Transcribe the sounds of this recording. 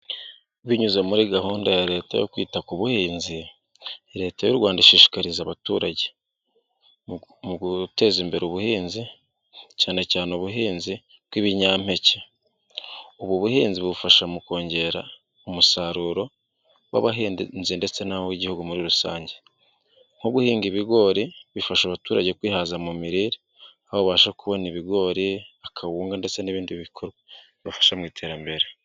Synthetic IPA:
βiɲuzemuɾiɡahuːndajaɾe̞ːta̰jo̰kwiːtakuβuhiːnzi | ɾe̞ːtajoɾɡwaːndaʃiːʃi̥kaɾizaβatṵɾaɟe | muute̞zimbe̞ɾuβuhiːnzi | caːne̞caːneoβuɦiːnzi | kwiβiɲam̥he̞ce | uβwuβuhiːnziβufaʃamuko̞ːɲɟe̞ɾa̰ | omusaɾuːɾo̞ | wa̰βaɦiːnzinde̞t͡se̞nawiɟihuɡumuɾiɾusaːɲɟe | ŋ̥oɡuhiːŋɡiβiɡo̞ɾiβifaʃaβatuːɾaɟe̞kwiːhazamumiɾiɾi | aβoβaːʃakuβo̞niβiɡo̞ɾiakʰawuːŋɡande̞t͡se̞niβiːndiβikʰoɾɡa | iβafḁʃamŋiːtʰe̞ɾambe̞ɾe

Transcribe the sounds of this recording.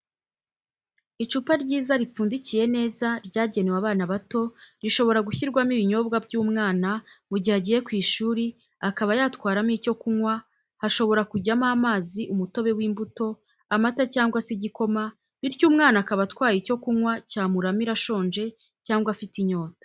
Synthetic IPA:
it͡ʃupaɾɟiːzaɾip͡fuːndicije̞ne̞ːzaɾɟaːɟe̞newaβaːnaβato̞ɾiʃo̞βo̞ɾaɡuçiɾɡwamiβiɲo̞ːbɡabɟuːmŋaːnamuɟihaɟije̞kwiːʃuːɾi | akaβajaːtkwaːɾamiːco̞kumwa | haʃo̞βo̞ɾakuɟamaːmaːziʔumuto̞βe̞wiːmbuto̞ | amatacaːŋɡwasiɟiko̞ma | βiɾɟuːmŋaːnakaβatkwaːjico̞kuŋwacaːmuɾamiɾaʃo̞ːnʒe̞ | caːŋɡwafitiɲo̞ːtḁ

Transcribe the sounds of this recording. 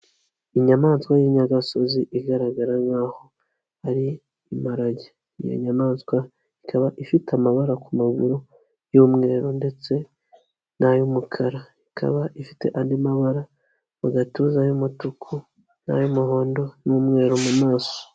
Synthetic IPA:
iɲamaːnskwajiɲaɡaso̞ziʔiɡaɾaɡaɾaŋaːho̞ | aɾiː | maɾaɟe | ḭjo̰ɲamaːnskwa | ikʰaβaʔifitʰamaβaɾakumaɡṵɾo | juːmŋe̞ːɾonde̞t͡se̞ | najumukʰaɾa | ikʰa̰βaʔifi̥te̞̰ʔandimaβaɾa | βuɡatuzajumutukʰu | na̰jomuɦo̞ːndo̞nuːmŋe̞ːɾomumaːso̥

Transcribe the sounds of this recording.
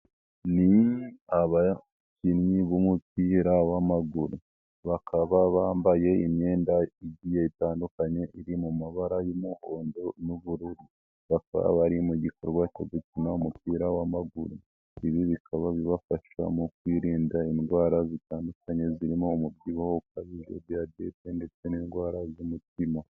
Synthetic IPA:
niaβa | cinɲiβomupiːɾawamaɡuɾu | βakʰaβaβaːmbaje̞imɲe̞ːndaiɟijeitaːndukaɲe̞ʔiɾimumaβaɾajomuho̞ːndo̞nuβuɾuɾi | βaka̰βa̰βaɾimuɟiko̞ɾɡwacoɡucinaumupiːɾawamaɡuɾu | iβiβikʰaβaβiβafaʃa̰mukwiːɾiːndainɡwaːɾazitaːndukaɲe̞ziɾimoːmub̚ɟiwohokaβiʒo̰bjade̞te̞nde̞t͡se̞ninɡwaːɾazumutima

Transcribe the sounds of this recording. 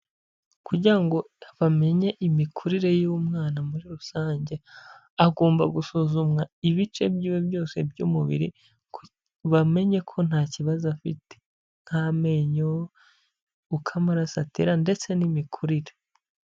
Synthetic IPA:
kuɟiɾaŋɡo̞ | βame̞ɲe̞ʔimikʰuɾiɾe̞jumŋaːnamuɾiɾusaːɲɟe̞ | aɡo̞ːmbaɡusuzumŋaiβit͡ʃe̞bjiːwebjo̞ːse̞bjuːmuβḭɾi | ku | βame̞ɲe̞kʰo̞n̥haːciβazafitʰe̥ | ŋ̥hame̞ɲoo | ukʰamaɾasatḛɾande̞t͡se̞nimikʰuɾiɾe

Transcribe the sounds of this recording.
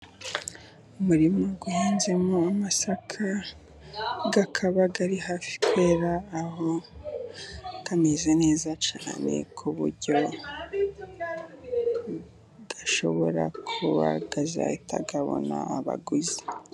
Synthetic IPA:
umuɾimoɡuhaːnze̞moamasakʰa | ɡakʰaβaɡaɾihaːfi̥kwe̞ːɾaːho | ɡamezene̞ːzat͡ʃaːne̞̰kʰuβṵɾɟo̞ | ɡ̥aʃo̞̰βo̞̰ɾa̰kʰuβa̰ɡaza̰itʰa̰ɡaβo̞̰na̰aβa̰ɡuzi̥

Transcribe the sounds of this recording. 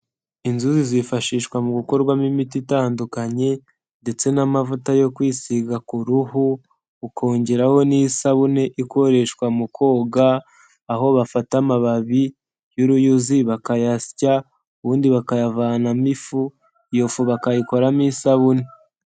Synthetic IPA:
inzuzizifaʃiːʃkwamuɡuko̞ɾɡwamimititaːndukaɲe̞ | nde̞t͡se̞namavutajo̞kwiːsiɡakuɾuhuː | kʰoːɲɟeɾaho̞nisaβune̞ʔiko̞ɾe̞ʃkwamukʰo̞ːɡaː | ɦo̞βafatamaβaβi | juɾujuziβakajasi̥ca | uβuːndiβakajavaːnamifu | jofuβakajiko̞ɾamisaβune̞

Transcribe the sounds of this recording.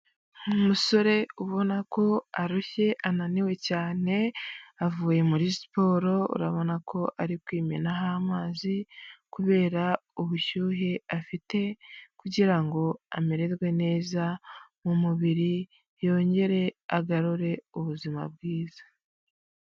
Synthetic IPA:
umuso̞ɾe̞uβo̞nako̞aɾuçe̞ʔananiwe̞caːne̞avuːje̞muɾisi̥po̞ːɾo̞ṵɾaβo̞nakʰo̞ʔaɾikwiːmenaɦaːmaːzikuβe̞ːɾauβuʃuːɦeafite̞kuɟiɾaŋɡo̞a̰meɾe̞zɡwe̞ne̞ːzamumuβiɾi | jo̞ːɲɟe̞ɾe̞aɡaɾuɾe̞uβuzima̰b̚ɡiːzḁ

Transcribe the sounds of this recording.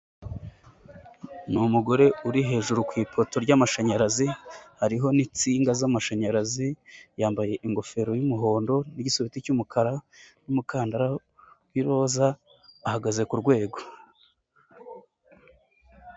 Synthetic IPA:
numuɡo̞ɾe̞uɾiɦe̞ːʒuɾukwiːpʰo̞to̞ɾɟamaʃaɲaɾazihaɾiɦo̞nit͡siːŋɡazamaʃaɲaɾazijaːmbaje̞ʔiŋɡo̞fe̞ɾo̞jumuɦo̞ːndo̞niɟisoβiticumukʰaɾanumukaːndaɾa | wiɾo̞zaː | haɡaze̞kuɾɡwe̞ːɡo̞

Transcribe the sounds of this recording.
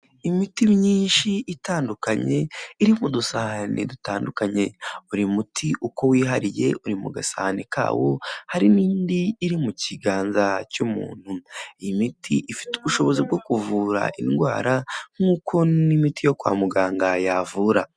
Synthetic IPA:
imitimɲiːnʃiʔitaːndukaɲe̞iɾimudusahanḭdutaːndukaɲe̞uɾimutʰiʔuko̞wiːɦaɾije̞̰uɾimṵɡasa̰hanika̰ːwo̞haɾiniːndiːɾimuciɡaːnzacumṵːn̥huimitʰiʔifi̥tuβuʃo̞βo̞zib̚ɡo̞kuvuːɾa̰ʔinɡwaːɾaŋ̥uːkʰo̞nimitijo̞kwa̰ːmuɡaːŋɡajavuɾa

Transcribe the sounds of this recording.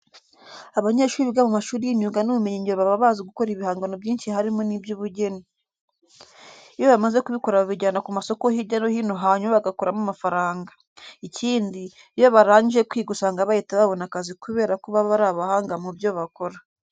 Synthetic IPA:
aβaɲe̞ːʃuːɾiβiɡamumaʃuːɾijiɲuːŋɡanuβumeɲiɲeɾoβaβaβaːziɡuko̞ɾiβihaːŋɡanobjiːnʃihaɾimonibjuβuɟe̞ni | ijoβamaze̞kuβiko̞ɾaββiɟanakumaso̞ko̞hiɟanohiːnoɦaːɲumaβaɡakoɾamumafaɾaːŋɡa | icʰiːndi | jo̞βaɾaːɲijekwiːɡusaːŋɡaβajitaβaβo̞nakazikuβe̞ːɾakuβaβaɾaβahaːŋɡamubjo̞βako̞ɾa

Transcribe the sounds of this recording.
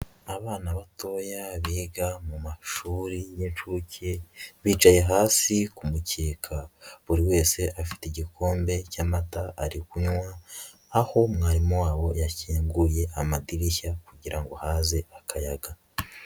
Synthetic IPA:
aβaːnaβato̞ːjaβiːɡamumaʃuːɾijent͡ʃuːceβiːt͡ʃaje̞ɦaːsikumuceːkʰaβuɾiwe̞ːse̞ʔafi̥teɟikʰo̞ːmbe̞camataʔːɾikuɲwaː | ho̞mŋaːɾimowaːβo̞jaciːŋɡuje̞ʔamadiɾiçakuɟiɾʔaŋɡo̞haːze̞akʰajaɡa

